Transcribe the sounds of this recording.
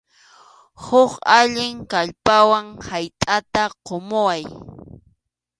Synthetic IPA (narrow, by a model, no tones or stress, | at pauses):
hʊqaʎɪŋkaʎpawaŋhajt̪ʼat̪aqomʊwaj